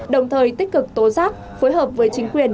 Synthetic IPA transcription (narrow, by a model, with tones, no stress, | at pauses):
ɗə˨˩wŋ͡mt̪ʰəː˨˩jt̪ï˦˥k̟̚kɨ˨˩k̚t̪o˨˦zaː˦˥k̚ | fo˨˦jɦəː˨˩p̚vəː˨˦jt͡ɕï˨˦ŋ̟kwi˨˩ən